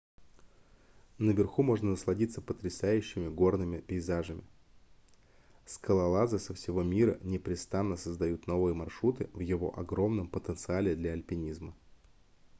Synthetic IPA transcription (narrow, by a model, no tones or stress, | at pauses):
nəvʲɪrxumo̞ʐnənəslˠɐdʲit̪sːəpət̪ɾʲɪsajʉɕːɪmʲɪɡo̞rnɨmʲɪpʲɪɪzaʐɨmʲɪ | skəlˠɐlˠazɨsəfsʲɪvo̞mʲiɾənʲɪpɾʲɪst̪anːəsəzd̪ɐjut̪no̞vɨjəmɐrʂɾut̪ɨvjɪvo̞̰ʔɐɡɾo̞mnəmpət̪ənt̪sɨalʲɪd̪lʲɐɐlʲpʲɪnʲizmə